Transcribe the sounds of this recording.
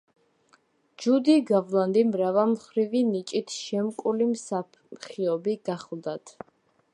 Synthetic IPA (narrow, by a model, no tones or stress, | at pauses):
d͡ʒud̪iɡavlˠand̪imɾavamχɾivinit͡ʃʼit̪ʰʃɛmkʼulimsapʰχiɔbiɡ̥aχlˠd̪at̪ʰ